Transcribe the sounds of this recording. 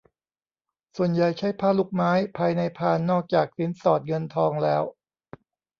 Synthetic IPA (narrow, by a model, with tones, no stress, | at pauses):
su˨˩ənja˨˩jt͡ɕʰa˦˥jpʰaː˧˥˩lu˦˥˩k̚maː˦˥jpʰaː˧jna˧jpʰaː˧nːɔː˥˩k̚t͡ɕaː˨˩k̚si˦˥nsɔː˨˩t̪̚ŋɤ˧nt̪ʰɔː˧ŋlɛː˦˥w